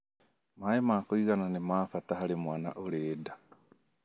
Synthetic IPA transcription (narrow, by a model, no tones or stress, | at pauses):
majemakwiːɣananemaːfataɦalimwaːna̰ʔoleːda